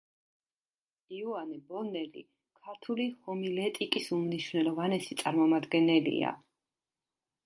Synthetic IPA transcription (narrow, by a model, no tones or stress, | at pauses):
iuanɛbɔnɛlḭ | kʰaɾt̪ʰulihɔmilɛt̪ʼikʼisumniʃvnɛlˠɔvanɛsi̥t̪sʼaɾmɔmad̪ɡɛnɛlḭa̰